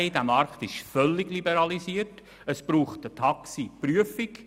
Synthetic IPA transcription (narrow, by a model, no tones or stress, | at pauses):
ɪdæmɑɾktɪʃfœlːɪɡlibɛɾɑlisiəɾt | əspɾuːχtdətʰɑksipryəfɪk